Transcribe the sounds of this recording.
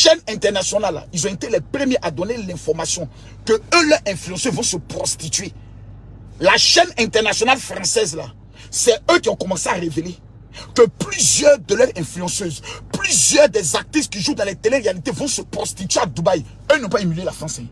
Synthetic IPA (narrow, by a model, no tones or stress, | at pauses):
ʃɛnɛ̃t̪ɛʁnasjɔnala̰ilzɔ̃et̪elɛpʁəmjeʔad̪ɔnelɛ̃fɔʁmasjɔ̃ | kəølœʁɛ̃flyɑ̃søvɔ̃səpʁɔst̪it̪ɥe | laʃɛnɛ̃t̪ɛʁnasjɔnalfʁɑ̃sɛzla̰ | sɛøkiɔ̃kɔmɑ̃seaʁevele | kəplyzjœʁd̪əlœʁɛ̃flyɑ̃søzplyzjœʁd̪ɛzak̚t̪iskiʒud̪ãlɛt̪eleʁealit̪evɔ̃səpʁɔst̪it̪yead̪ubaj | ønɔ̃paimylelafʁɑ̃sɛ̃